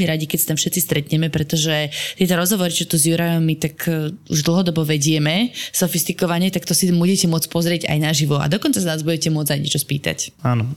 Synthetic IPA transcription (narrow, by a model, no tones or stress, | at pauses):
miɾaɟikɛcsat̪amfʃɛt̪t͡sist̪ɾɛt̪ɲɛmɛpɾɛt̪ɔʒɛt̪ɪɛt̪ɔɾɔzɦɔʋɔɾit͡ʃɛt̪uzjuɾajɔmit̪akṵʒd̪l̩ˠɦɔd̪ɔbɔʋɛɟɪɛmɛsɔfist̪ikɔʋaɲɪɛt̪akt̪ɔsimuɟɛcɛmʊɔt͡spɔzɾɪɛɟa̰jnaʒiʋɔa̰d̪ɔkɔnt͡saznaːzbuɟɛcɛmʊɔd͡zajɲɛt͡ʃɔspḭːt̪a̰caːnɔ